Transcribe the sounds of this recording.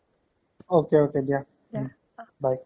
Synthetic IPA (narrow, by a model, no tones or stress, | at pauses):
okeokedja | baj